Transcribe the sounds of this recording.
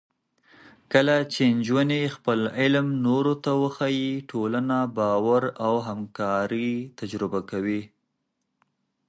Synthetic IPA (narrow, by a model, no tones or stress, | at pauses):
kəlat͡ʃend͡ʒwanexpəlɪlmnoɾot̪awəxajiʈʰolanabɑwaɾawɦamkɑɾit̪ad͡ʒɾɪbakawi